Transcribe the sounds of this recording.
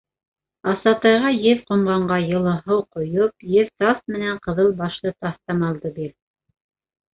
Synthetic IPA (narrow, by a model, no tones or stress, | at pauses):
ɑsɑt̪ɑjʁɑjɘðqŏmʁɑɴɢɑjɤ̆lˠɤ̆ɦɤwqŏjop̚jɘðt̪ɑsmɘ̆næɴqɤ̆ðɤlˠbɑʃlˠɤt̪ɑθt̪ɑmɑlˠd̪ɤbiɾ